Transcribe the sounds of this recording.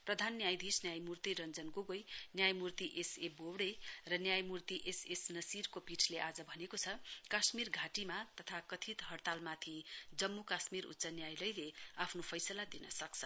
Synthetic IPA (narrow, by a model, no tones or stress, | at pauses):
prʌd̪ʱanːjajd̪ʱisnjajmurt̪iɾʌnd͡zʌnɡoɡojnjajmurt̪iʔesebowɽejrʌnjajmurt̪iʔesesnʌsirkopiʈʰleʔad͡zʌbʱʌnekot͡sʰʌkasmirɡʱaʈimat̪ʌt̪ʰakʌt̪ʰit̪ɦʌrt̪almat̪ʰid͡zʌmːukasmiɾṵtːsanjajlʌjleapʰnopʰʌjsʌlad̪inʌsʌk̚t͡sʰʌ